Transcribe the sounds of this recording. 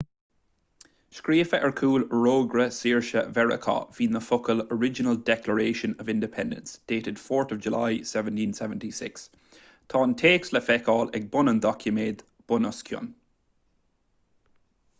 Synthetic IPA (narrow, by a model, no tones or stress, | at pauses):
ʃkɹiːfəʔəɹkʰuːlɹoːɡɹəsiːɹʃə̰vɛɹə̰kʰɔ̰v̥iːnðəfokələɹɪd͡ʒənəlˠdɛkləɹeːʃə̃nəvɪ̃ndɪpʰɛ̃ndə̰̃nsd̥eːtɪd̥fɔːɹtəvd͡ʒəlaɪsɛvə̃ntĩnsɛvə̃ntisɪ̰ks | tʰɔːntʰeːksləfɛkɔːlɛɡ̚bʊnənd̪ɔkʰjəmeːd̪ | b̥ɔnɔskʰjɔ̰n